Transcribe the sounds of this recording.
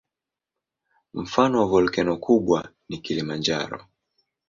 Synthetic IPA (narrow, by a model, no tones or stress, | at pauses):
m̩fanɔvɔlkɛnɔkʰuɓwa | nikilimand͡ʒa̰ɾɔ̰